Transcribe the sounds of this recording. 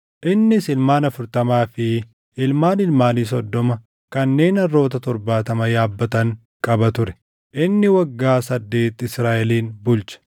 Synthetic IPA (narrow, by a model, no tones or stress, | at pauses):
ʔɪnːɪsɪlmaːnɐfʊɾt̪ɐmaːfɪ | ɪlmaːnɪlmaːniːs̬ɔd̪ːɔmɐ | kɐnːe̞ːnɐrːo̞ːt̪ɐt̪ɔɾbaːt̪ɐmɐjaːbːɐt̪ɐŋ | kʼɐbɐt̪ʊɾɛ̥ | ʔɪnːɪwɐɡːaːsɐd̪ːe̞ːt̪ːɪɪsɾaːʔɛliːnbʊlt͡ʃɐ̥